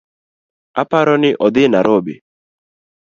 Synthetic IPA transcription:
apaɾɔnɪʔɔd̪ɪnaɾʔɔbḛ

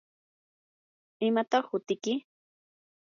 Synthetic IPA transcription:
ɪmat̪ɑχhʊt̪ɪkɪ

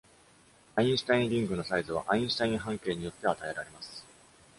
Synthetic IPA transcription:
aĩsɨ̥t̪aĩnɾʲĩŋɡɯ̟no̞saizɨβ̞a̰ʔaĩsɨ̥t̪aĩɰ̃ɦãŋke̞ːɲ̟ijo̞t̪ːe̞at̪ae̞ɾaɾe̞masɨ̥

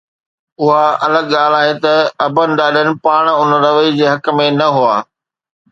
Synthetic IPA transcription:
ʊɦaɐləɠɠaːl̤aːɦet̪ɐɐbʱənɪ̆ɗaːɗʱənɪ̆paːɽ̃ʊnəɾɐʋəid͡ʑeːɦɐkmẽnɐɦuaː

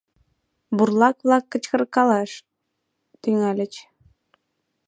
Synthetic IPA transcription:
burlˠɑkβlˠɑkːə̆t͡ɕkɤ̆rkɑlˠɑʃ | t̪yŋælʲɘ̆t͡ɕ

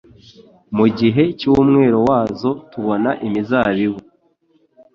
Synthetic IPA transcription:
muɟiɦe̞cuːmŋe̞ːɾowaːzo̞tuβo̞naʔimizaːβiβu

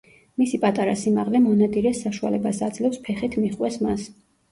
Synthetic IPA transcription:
misipʼat̪ʼaɾasimaʁlɛmɔnad̪iɾɛsaʃua̰lɛbasad̪zlɛpspʰɛχit̪ʰmiχʼwɛsmas

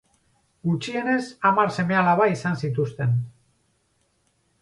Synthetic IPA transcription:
ɡut͡ʃie̞ne̞samarse̞me̞alaβaisansit̪̬ust̪e̞n

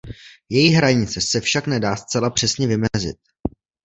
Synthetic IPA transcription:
jɛjiɦɾaɲɪt͡sɛsɛfʃaknɛdaːst͡sɛlapr̝̥ɛsɲɛvɪmɛzɪ̰t̪̚

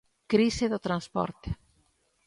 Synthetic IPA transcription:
kɾiseðot̪ɾanspɔ̰ɾt̪e̥

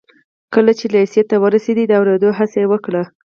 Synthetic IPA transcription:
kəlat͡ʃelaisijat̪ːawəɾased̪id̪əawɾed̪oɦasejewəkɽa

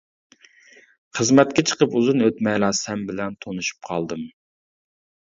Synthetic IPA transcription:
χəzmɛt̪̚kʲɛt͡ʃʰə̥qəpuzɨnøt̪mɛjlˠɑːsɛmbɪlɛnt̪ʰonuʃu̥p̚qʰɑlˠd̪ɨm

